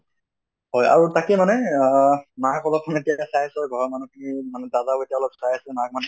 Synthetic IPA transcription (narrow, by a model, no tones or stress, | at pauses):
ɦɔja̰ɹutakɛmanɛ | makɔlɔp̚kʰɔnetijasajasɛɡʱɔɹmanukʰnimanɛdazaetijaɔlɔp̚sajasɛmak̚man